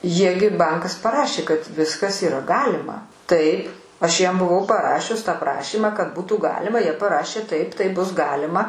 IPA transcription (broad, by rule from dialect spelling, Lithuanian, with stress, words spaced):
ˈjiɛ ɡʲɪ ˈbɐŋkɐs pɐˈrɑːʃʲeː kɐt ˈʋʲɪskɐs iːˈrɐ ˈɡɑːlʲɪmɐ ˈtɐɪp ɐʃ ˈjiɛm bʊˈʋɐʊ pɐˈrɑːʃʲʊs tɑː ˈprɑːʃʲiːmɑː kɐt ˈbuːtuː ˈɡɑːlʲɪmɐ ˈjiɛ pɐˈrɑːʃʲeː ˈtɐɪp ˈtɐɪ ˈbʊs ˈɡɑːlʲɪmɐ